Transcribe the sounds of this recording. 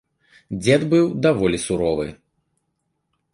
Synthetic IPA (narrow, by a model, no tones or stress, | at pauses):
d͡zʲɛd̪bɨwd̪avɔlʲisuɾɔvɨ̰